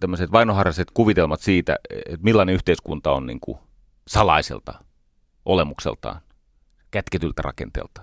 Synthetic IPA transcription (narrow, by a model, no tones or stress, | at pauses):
t̪æmːøset̪ʋɑinohɑrːɑset̪kuʋit̪elmɑt̪siːt̪æ̰et̪milːɑneyht̪eiskunt̪ɑonnḭŋkṵ | sɑlɑ̰isḛlt̪ɑ̰ | ʔolemuksḛlt̪ɑ̰ːn | kæt̪ket̪ylt̪ærɑ̰kḛnt̪ḛːlt̪ɑ̥